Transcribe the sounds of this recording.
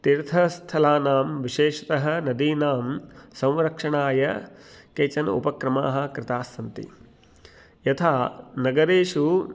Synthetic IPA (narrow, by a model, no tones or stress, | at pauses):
t̪iɾt̪ʰɐst̪ʰɐlaːnaːmʋiʃeːʂɐ̥t̪ɐɦɐ̆nɐd̪iːnaːmsɐ̃wʋɾɐkʂɐɳaːjɐkeːt͡ʃɐnṵpɐkɾɐma̰ːɦɐ̆kɾɪt̪aːsɐnt̪ḭ | jɐt̪ʰaːnɐɡɐɾeːʂu